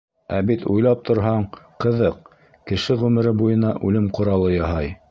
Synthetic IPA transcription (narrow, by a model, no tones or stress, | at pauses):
æbit̪ujlˠɑp̚t̪ʰŏɾɦɑɴqɤ̆ðɤq̚ | kɘ̆ʃɘʁʉmɘ̆ɾɘbujɤ̆nɑʔʉlɘmqŏɾɑlˠɤjɑɦɑj